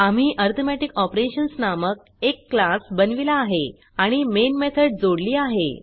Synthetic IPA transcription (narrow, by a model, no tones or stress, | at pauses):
am̤iːʔɔɾt̪ʰomæʈikɔpɾeɕənsnamək̚ | ekːlasbənʋilaːɦe | aɽ̃imenmet̪ʰəɖd͡zoɽliːaɦḛ